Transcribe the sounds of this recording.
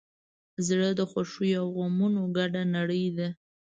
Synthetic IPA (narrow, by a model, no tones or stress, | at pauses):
zɽəd̪əxwaʂujawɣomunoɡaɖanaɽəjd̪a